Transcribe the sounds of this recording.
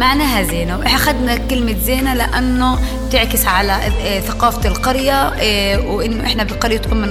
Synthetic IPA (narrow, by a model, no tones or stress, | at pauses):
maʕnaːɦazeːnawʔɪħaxad̪nakɪlmɪzeːnalɪʔanːʊ | t̪ɪʕkɪsʕala | θaqɑːfalqɑɾjawʔɪnːʊʔɪħnabɪlqɑɾjat̪kuːmːɪn